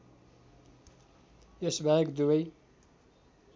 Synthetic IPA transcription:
esbʱaekd̪ubʌj

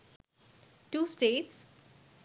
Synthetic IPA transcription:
ʈuːsʈeːʈs

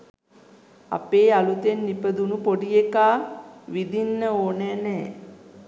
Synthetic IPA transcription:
a̰peːalut̪enːipəd̪unupoɖijekaːʋid̪inːəoːneːnɛː

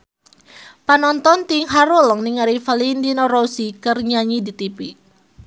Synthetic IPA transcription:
panɔnt̪ɔnt̪iŋɦaɾɔlɔŋniŋaɾifalindinɔɾosikərɲaɲidit̪ipi

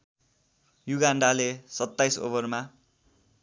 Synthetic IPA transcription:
juɡaɳɖalesʌt̪ːajso̰bʌrma

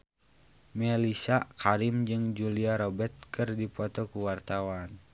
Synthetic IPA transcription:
mɛlisakʰaɾimd͡ʒɨŋd͡ʒuliaɾɔbɛt̪̚kʰɨrdipɔt̪ɔkuwart̪awan

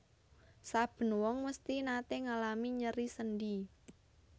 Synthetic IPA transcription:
sab̥ə̤nwɔŋməst̪inat̪eŋalamiɲəɾisənɖi

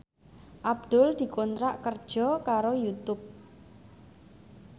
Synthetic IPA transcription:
ʔab̚d̪̥ʊld̪̥i̤kont̪ɾaʔkərd̥ʒ̥ɔ̤kaɾojut̪ʊp̚

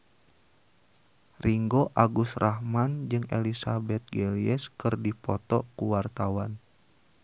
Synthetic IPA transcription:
riŋɡoʔaɡusrʔahmand͡ʒɨŋelisabɛt̪̚ɡeliɛskɨrdipɔt̪ɔkuwart̪awan

